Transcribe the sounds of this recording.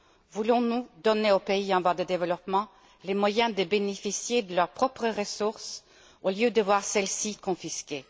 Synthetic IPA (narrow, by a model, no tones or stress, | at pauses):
vulɔ̃nud̪ɔneopeiɑ̃vad̪əd̪evəlɔpmɑ̃ | lemwajɛ̃d̪əbɛnɛfisjed̪əlœʁpχɔpʁəʁəsʊʁs | oljød̪əvwaːʁsɛlsikɔ̃fiske